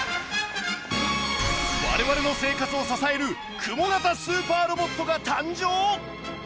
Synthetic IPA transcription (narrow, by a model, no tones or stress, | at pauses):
βa̰ɾe̞βaɾe̞no̞se̞ːkat͡sɨo̞sasae̞ɾɯ̟ | kʰɯmo̞ɡat̪asɨːpaːɾo̞bo̞t̪ːo̞ɡat̪ãɲd͡ʑoː